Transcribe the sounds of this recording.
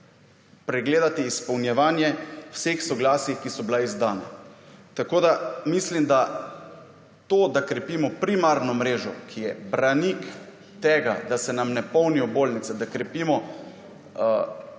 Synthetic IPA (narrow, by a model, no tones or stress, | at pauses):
pɾɛɡleːd̪at̪iːspɐwnjɛʋaːnjɛwsexsɔɡlaːsixkisɔbilaizd̪aːna̰t̪akoːd̪amislimd̪a | t̪oːd̪akɾɛpimɔpɾimaɾnɔmɾeːʒɔkʰijɛbɾanik | t̪ɛːɡa̰d̪asɛnamnɛpɔwniɔboːlnit̪sɛd̪akɾɛpiːmɔ